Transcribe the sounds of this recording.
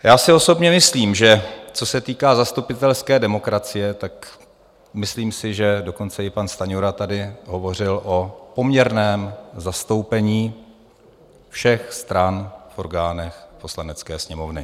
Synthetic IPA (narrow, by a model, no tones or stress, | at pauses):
jaːsɪo̞so̞bɲɛmɪsliːmʒɛt͡so̞sɛt̪iːkaːzast̪upɪt̪ɛlskɛːdɛmo̞kɾat͡sɪjɛt̪ak | mɪsliːmsɪʒɛdo̞ko̞nt͡sɛɪpanst̪aɲoɾat̪adɪɦo̞vo̞r̝ɪlʔo̞po̞mɲɛɾnɛːmzast̪o̞wpɛɲiː | fʃɛxst̪ɾanfʔo̞ɾɡaːnɛxpo̞slanɛt͡skɛːsɲɛmo̞vnɪ